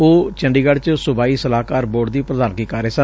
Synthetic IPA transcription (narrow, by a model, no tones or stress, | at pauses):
oːt͡ʃəɳɖiːɡəɽt͡ʃsʊbaːiːsəlaːkaːɾboːɖd̪iːpɾəd̪aːnkiːkaːɾeːsə